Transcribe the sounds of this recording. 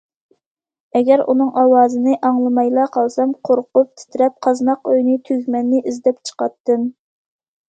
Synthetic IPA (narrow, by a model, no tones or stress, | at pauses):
ɛɡʲɛɾʔṵnɨŋʔɑwɑːzɨnɨʔɑŋlˠɨmɑjlˠɑqʰɑlˠsɑmqʰoɾqʊp̚t̪ʰɪ̥t̪ʰɾɛp̚qʰɑznɑqøjnɪt̪ʰyzmɛnːɪʔizd̪ɛpt͡ʃʰə̥qɑt̪ːɨm